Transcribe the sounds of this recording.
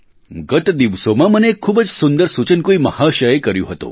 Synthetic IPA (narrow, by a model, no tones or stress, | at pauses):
ɡət̪d̪iʋsomamənekʰːuːbət͡ssund̪əɾsut͡ɕənkuimə̰haɕəjekəɾjṵɦot̪o̰